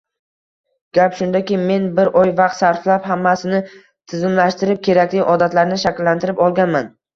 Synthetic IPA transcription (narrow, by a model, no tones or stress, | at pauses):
ɡ̥ʲapʃʊnd̪akʲɪme̞nbɪɾʔɒjvɑq̚t̪saɾflapɦamːasɪnɪ | t̪ʰɪzɪmlaʃt̪ɪɾɪp̚kʲʰe̞ɾakʲlɪʔɒd̪at̪laɾnɪʃakʲlːant̪ʰɪɾɪpɒlˠɡʲanman